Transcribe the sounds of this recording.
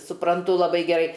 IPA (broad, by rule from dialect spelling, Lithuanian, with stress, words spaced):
sʊprɐnˈtʊ lˠɐˈbɐɪ ɡʲɛˈrɐɪ